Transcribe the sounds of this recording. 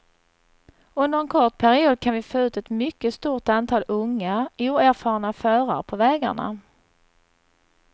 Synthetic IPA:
ɵnd̪əɾɛnkʰɔʈpʰæɾɪuːd̪̚kʰanvɪfoːʉ̟ːt̪ɛt̪mʏkːəst̪uːʈant̪ʰɑːlɵŋːauːæɾfɑːɾɳafœːɾa̰ɾpʰɔvɛːɡa̰ɳa̰

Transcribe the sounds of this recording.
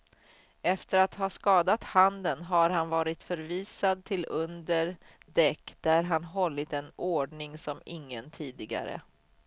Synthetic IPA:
ɛft̪əɾat̪hɑːskɑːd̪at̪hand̪ənɦaɾɦanvɑːɾɪt̪fœɾviːsad̪̚t̪ʰɪlɵnd̪əɾ | d̪ɛkːd̪̥æɾɦanɦɔlːɪt̪ɛnoːɖɳɪŋsɔmɪŋːənt̪ʰiːd̪ɪɡa̰ɾə̰

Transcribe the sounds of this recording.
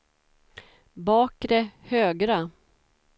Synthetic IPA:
bɑːkɾɛhøːɡɾa

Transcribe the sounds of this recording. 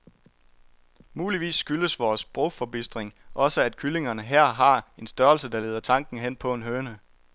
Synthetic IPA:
muːliʋḭːsːɡ̥yləsʋɒːsb̥ʁofɒ̽b̥isd̥ʁeŋʔɒ̽səæd̥̚kʰyle̝ŋɐnəɦæɐ̰ɦɑ̈e̝nsd̥ɶːɐlsəd̥ɑ̈le̝̰ːð̞ˠɐt͡sʰɑ̈ŋ̰ɡ̥n̩ɦen̰pʰɒ̽e̝nɦøːnə

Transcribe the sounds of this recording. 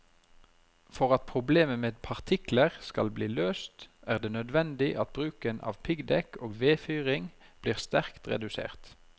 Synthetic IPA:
fɔʁɑt̪̚pʰʁʊbleːməmeːd̪pʰɑʁt̪ʰɪkləʁskɑlbliːløːst̪æːʁd̪eːnœd̪ʋɛnd̪ɪʔɑt̪̚bʁʉːkənɑ̰ːʋpʰɪɡd̪ɛkoːɡʋeːfyːʁɪŋb̥liːʁst̪æʁkt̪ʁɛ̰d̪ʉsḛːʁt̪

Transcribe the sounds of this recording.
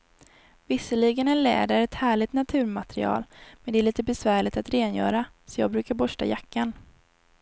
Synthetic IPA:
vɪsəɭiɡənɛnlɛ̰ːd̪aɾɛt̪hæːɭɪt̪nat̪ʰʉ̟ːɾmat̪ɾɪ̰ɑ̰ːlmɛnd̪ɛæɭiːt̪əbɛsvæːɭɪt̪at̪ɾeːnjœ̰ːɾasɔjɑ̰ːɡ̚bɾʉ̟ːkaɾbɔʂʈa̰jakːan

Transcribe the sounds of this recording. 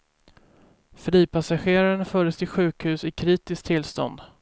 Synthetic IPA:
fɾiːpʰasaɧeːɾaɾənafœːɖəst̪ɪɧʉ̟ːkhʉ̟ːsɪkʰɾiːt̪ɪsk̚t̪ʰːɪlst̪ɔ̰nd̪

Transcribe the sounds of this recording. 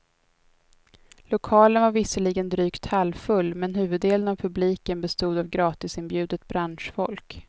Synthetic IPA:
lʊkʰɑːlənvaɾvɪsəlɪɡənd̪ɾyːkt̪ʰhalːfɵlːmɛnɦʉ̟ːvɵd̪ːeːlənavpʰɵbliːkənbɛst̪uːd̪avɡɾɑːt̪ɪsɪnbjʉ̟ːd̪ət̪̚bɾanʂfɔlk

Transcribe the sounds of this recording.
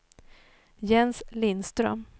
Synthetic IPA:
jɛnslɪnst̪ɾœ̰m

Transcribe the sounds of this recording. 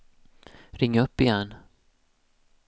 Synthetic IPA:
ɾɪŋːaɵpːɪjɛnː

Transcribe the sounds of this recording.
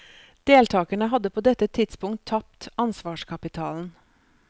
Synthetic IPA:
d̪̥eːlt̪ʰɑːkəɳəɦɑd̪əpʰoːd̪ɛt̪ːət̪ʰɪd̪spʊŋt̪ʰːɑp̚t̪ɑnsʋɑːʃkʰɑpɪt̪ʰɑːln̩

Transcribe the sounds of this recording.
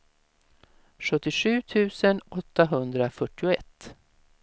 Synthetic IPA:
ɧɵt̪ːɪɧʉ̟ːt̪ʰʉ̟ːsənɔt̪ːaɦɵnd̪ɾafœʈːɪʊɛt̪ː

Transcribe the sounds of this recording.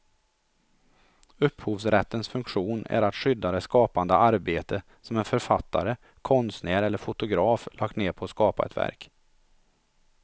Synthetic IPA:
ɵpːhuːvsɾɛt̪ːənsfɵŋkɧuːnæ̰ɾat̪ɧʏd̪ːad̪ɛskɑːpand̪əʔaɾbeːt̪ə | sɔmɛnfœɾfat̪ʰːa̰ɾə | kʰɔnst̪næːɾɛlːəɾfʊt̪ʊɡɾɑːflʔɑːkt̪neːɾpʰɔːskɑːpaɛ̰t̪væ̰ɾk

